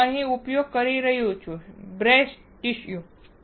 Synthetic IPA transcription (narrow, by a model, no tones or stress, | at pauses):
aɦĩupjoɡ̚kəɾiɾɐɦijot͡ʃʰubɾesʈ | ʈiʃju